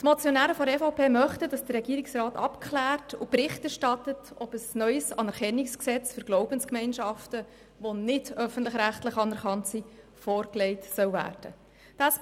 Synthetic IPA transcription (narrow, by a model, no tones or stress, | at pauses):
tmɔt͡sjɔnæːɾəfɔɾɛfoʊpeːmœχtədɑsd̥ərːɛɡiːɾɪksrɑːtɑ̰pkχlæːrtʊpɾɪχtæɾʃtɑtətɔbəsnœʏsɑnɛɾχɛnːiksksɛt͡sfʏɾɡ̥lɔʊbənskmɛɪnʃɑftə | ʋonɪd̥œfəntlɪχɾæχtlɪχɑnɛɾχɑntsi | fɔːɾklɛɪtsœwvæ̰ːrd̥ə̰ | d̥ɑs